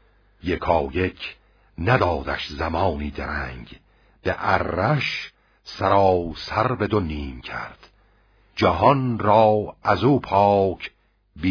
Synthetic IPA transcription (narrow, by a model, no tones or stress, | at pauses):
jekʰɒːje̞cʰ | næd̪ɒːd̪æʃzæmɒːniːd̪eɾæŋɡ | beʔærːæʃ | sæɾɒːsæɾbe̞d̪oniːmcʲʰæ̰ɾd̪̥ | d͡ʒæɦɒnɾɒːæzuːpʰɒːkʰ | biː